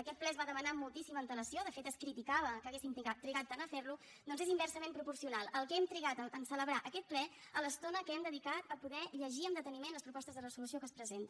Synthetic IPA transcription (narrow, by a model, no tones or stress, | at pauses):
əkɛt̪̚plɛzβaðəmənamulˠt̪isiməːnt̪ələsioðəfet̪əskɾit̪ikaβ̞əkəɣesimt̪iɣatt̪ːɾiɣat̪̚ːanəferlu | d̪ɔnzezimbɛrsəmempɾupursiunalˠəlˠkɛɛmt̪ɾiɣat̪əənsələβɾaʔəkɛt̪̚plɛ | ələst̪onəkəɛmd̪əðikat̪̚əpuðɛʎəʒiəmd̪ət̪ənimenləspɾupɔst̪əzðərəsulusiokəspɾəzent̪